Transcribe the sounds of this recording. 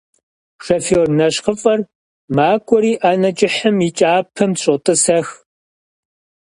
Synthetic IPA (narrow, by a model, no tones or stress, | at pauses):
ʂɐfornɐɕqəfʼɐr | maːkʷʼɔɾiːʔaːnɐt͡ʃʼɪħəmjit͡ʃʼaːpʰɐmɕʼɔtʼɨsɐx